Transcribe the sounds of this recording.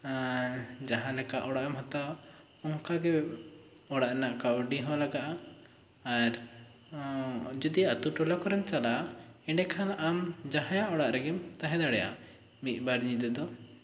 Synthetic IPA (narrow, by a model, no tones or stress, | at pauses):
d͡ʒaɦãlɛkaʔɔɽaʔamɦat̪a | ɔŋkaɡɛ | ɔɽaʔɛnaʔkawɖiɦɔ̃laɡaʔaː | ɾ | d͡ʒɔd̪ijaʔt̪uʈɔlakɔɾɛnt͡ʃala | ɛɖɛkʰanamd͡ʒaɦãjaʔɔɽaʔɾɛɡimt̪aɦɛ̃d̪aɽɛja̰ | mit̪̚ˀbaɾɲid̪ɛd̪ɔ